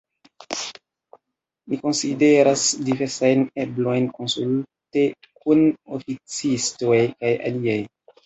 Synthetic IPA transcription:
miko̞nside̞ɾasdive̞ɾsajne̞blo̞jnko̞nsulte̞ | kunofit͡sistojkaja̰liaj

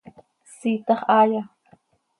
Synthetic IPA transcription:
siːt̪ɑχaːja

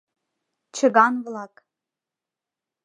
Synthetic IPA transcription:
t͡ɕə̆ɣɑnβlɑk

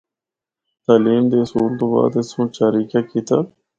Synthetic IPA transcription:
t̪aːliːmd̪eːəsuːlt̪õːba̰ːd̪esõːt͡ʃaːɾiːkaːkiːt̪aː

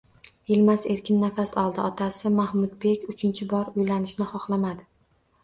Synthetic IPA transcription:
ɪlmase̞ɾkʲʰɪnːafasɒlˠd̪ɪɒt̪ʰasɪmahmʊd̪be̞kʲʊt͡ʃʰɪnt͡ʃʰɪbɒɾʊjlanɪʃnɪχɒχlˠamad̪ɪ

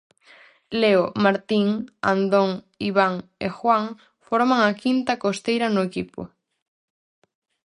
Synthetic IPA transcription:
leomaɾt̪iŋa̰nd̪oŋ | iβaŋexwaŋ | foɾmaŋakint̪akost̪ejɾanʊekipo̰

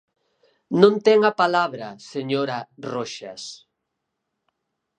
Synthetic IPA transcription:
nõnt̪ɛŋapalaβɾaseɲoɾaroʃa̰s

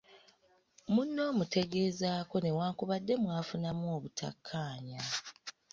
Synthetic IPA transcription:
munːo̞ːmute̞ɡe̞ːzaːko̞ne̞waːkuβadːe̞mwaːfunamuoːβutʰa̰kʰːaːɲa

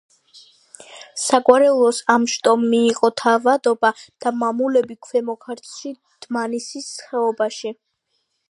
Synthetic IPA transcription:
sakʼwaɾɛulˠɔsamʃt̪ʼɔmːiːqʼɔt̪ʰavad̪ɔbad̪̥amamulɛbikʰwɛmɔkʰaɾt̪ʰʃi | d̪̥manisisːχɛɔbaʃi

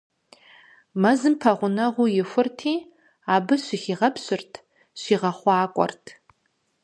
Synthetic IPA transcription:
mɐzɨmpʰɐʁʷʊnɐʁʷʊjɪfʷʊrtʰiː | aːbɨʃʷiχiːʁɐpʰɕʷɪrtʰ | ɕʷiːʁɐχʷɑːkʷʼɔ̰rtʰ

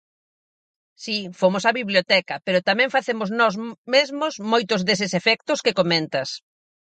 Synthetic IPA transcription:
sifomʊsaβiβljot̪ɛkɐpeɾʊt̪amɛ̃ŋfaθemʊznɔzmezmozmojt̪ʊzðes̬ɪsefɛk̚t̪ʊskekomẽnt̪ɐs

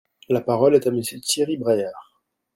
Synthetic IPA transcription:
lapaʁɔlɛt̪aməsøt̪iʁibʁɛjaːʁ

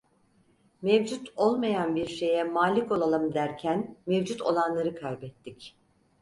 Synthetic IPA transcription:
mɛvd͡ʒut̪ʰo̞lˠmajanbiɾʃe̞jɛmaːlʲiko̞lˠalˠɯmd̪æɾcʰænmevd͡ʒut̪ʰo̞̰lˠanlˠaɾɯkʰajbɛt̪ʰːic

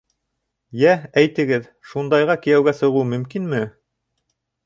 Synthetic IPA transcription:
jææjt̪ɘ̆ɡɘð | ʃund̪ɑjʁɑkĭjæwɡæsɤ̆ʁumɵ̆mkinmɘ

